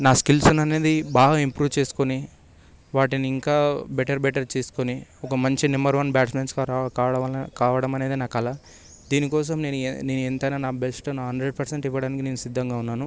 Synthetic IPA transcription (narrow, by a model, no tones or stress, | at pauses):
naːskilsunɐne̞ːd̪ibaːɡɐimpɾuːʋt͡ʃe̞ːsu̥koni | ʋaːʈiniiŋkaːbɛʈɐɾbɛʈɐɾt͡ʃeːsu̥koniɔkɐmɐɲt͡ʃinɐmbɐɾʋɐnbaːʈsmenskːakaːʋɐɽɐmɐne̞ːd̪inaːkɐlɐ | d̪iːnikɔːs̬ɐmneːnune̞ːnuent̪ɐjnaːnaːbesʈnɦɐɳɖɾeɖpʰɐɾseɳʈiʋːɐɽaːnikineːnusid̪ʱːɐŋɡaːunːaːnu